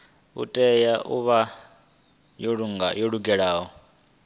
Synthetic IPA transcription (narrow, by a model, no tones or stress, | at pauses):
ṵtʼɛjaʔuβa | jɔɺuŋajɔɺuɡɛɺaːɦɔ